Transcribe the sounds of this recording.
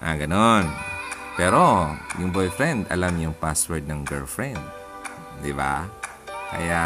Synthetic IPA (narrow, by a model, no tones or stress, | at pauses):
ʔa̰ɡɐnon | pɛːɾojʊŋbojfɹɛnd̪ɐ̰lamjʊŋpaswɛɹd̪̚nɐŋɡɛlfɹɛnd̪̚ː | ɪba̰ | kɐ̰ja